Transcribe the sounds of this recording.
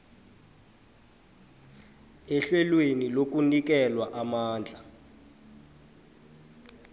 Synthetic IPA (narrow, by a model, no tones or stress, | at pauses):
ɛɬwɛlwenilok̬unik̬ɛlwaʔamaːnd͡ɮʱa